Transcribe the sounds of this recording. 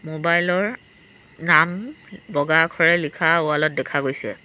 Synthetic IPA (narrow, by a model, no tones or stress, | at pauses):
mobajlɔɹ | nambɔɡakʰɔɹɛlikʰaʊalɔt̚dɛkʰaɡojsɛ̰